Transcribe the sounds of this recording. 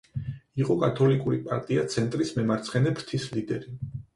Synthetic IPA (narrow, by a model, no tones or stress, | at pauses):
iqʼɔkʼat̪ʰɔlikʼuɾipʼaɾt̪ʼiat̪sʰɛnt̪ʼɾismɛmaɾt̪sʰχɛnɛbʰɾt̪ʰislid̪ɛɾi